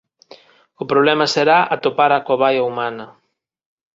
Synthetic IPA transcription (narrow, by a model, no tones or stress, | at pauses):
ʊpɾoβ̞lɛmɐseɾaʔɐt̪opaɾakoβajɐumanɐ